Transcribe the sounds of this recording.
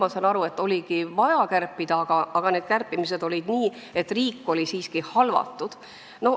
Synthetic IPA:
mɑsɑnɑɾue̞t̪ːˑo̞lʲiɡ̥ivɑjɑkærpːˑid̪̥ɑɑɡ̥ɑɑɡ̥ɑneːd̪̥̚kærpːˑimise̞d̪o̞lʲid̪̥niː | e̞t̪ːriːkːo̞lʲisiːskihɑlvɑ̰t̪ːˑud̪̥ | no̞

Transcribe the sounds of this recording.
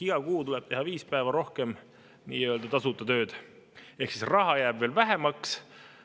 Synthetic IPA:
iɡ̥ɑkuːt̪ulɛb̥t̪e̞ɦɑviːspæevɑɾo̞hke̞m | nḭːeøld̪̥ɑt̪ɑsut̪ːˑɑt̪ø̞ːd̪̥ | e̞hksisrɑɦɑjæːbve̞ːlvæɦe̞mɑks

